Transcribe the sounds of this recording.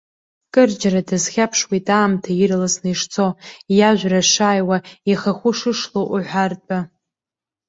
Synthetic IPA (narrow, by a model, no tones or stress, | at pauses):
kʼɨrd͡ʒaradɨzχʲapʰʂwitʼaːmtʰairlasnɨjʂt͡sʰo̞jaʒʷᶣraʂaːjwaiχaχʷʊʂɨʂloʔuħʷartʷʼa